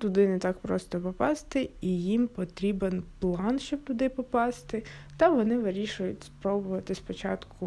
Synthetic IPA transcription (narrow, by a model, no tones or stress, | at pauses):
t̪ʊd̪ɪnɛt̪ɑkpɾɔst̪ɔpɔpɑst̪ɪijimpɔt̪ɾʲibenplˠɑnʃt͡ʃɔb̚t̪ʊd̪ɪpɔpɑst̪ɪt̪ɐʋɔnɪʋɪɾʲiʃʊjʊtʲspɾɔbʊʋɐt̪ɪspɔt͡ʃɑt̪kʊ